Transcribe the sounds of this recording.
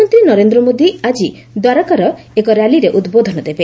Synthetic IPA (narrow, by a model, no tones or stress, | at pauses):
ɔnt̪ɾinɔɾend̪ɾɔmod̪iad͡ʒi | d̪waɾɔkaɾɔ | ekɔɾjaliɾeʔud̪bod̪ʱɔnɔd̪ebe